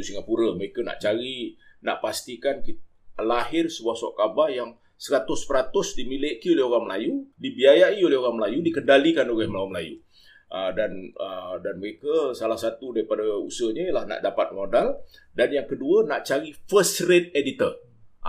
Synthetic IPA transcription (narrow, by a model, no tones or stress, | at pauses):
usiŋapuɾəməɾekəna̰ʔt͡ʃaɾina̰ʔpast̪ikanki | lahɪrsəbuahsɔ̰ʔkabarjaŋ | səɾat̪ʊspəɾat̪ʊsdimileʔkiolɛɦoɾaŋməlajudibiajaiolɛhɦoɣaŋməlajudikəndalikanoɣɛhməlawaməla̰jṵ | ʔədanədanməɾekəsalahsat̪udaɾipadaṵsəɲəjəlahna̰ʔdapat̪̚modaldanjaŋkəduənaʔt͡ʃaɾifəsret̚edit̪ə